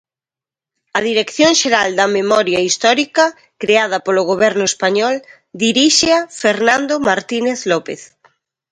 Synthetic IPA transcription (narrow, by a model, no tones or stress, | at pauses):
ɐðiɾekθjoŋʃeɾald̪ɐmemɔɾjɐist̪ɔɾikɐ | kɾeað̞ɐpoloɣoβɛɾnʊespaɲɔl | d̪iɾiʃeafeɾnãnd̪omaɾt̪ineθlɔpeθ